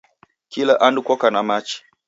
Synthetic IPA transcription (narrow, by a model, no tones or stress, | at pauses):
kilaʔandukɔkanamat͡ʃi̥